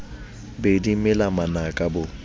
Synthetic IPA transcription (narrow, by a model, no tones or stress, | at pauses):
bedimɛlamanakʼabʊ